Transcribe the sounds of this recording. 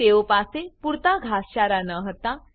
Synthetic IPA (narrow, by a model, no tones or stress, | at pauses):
ewopasepuɾt̪aɡʱasɕaɾanəɦət̪a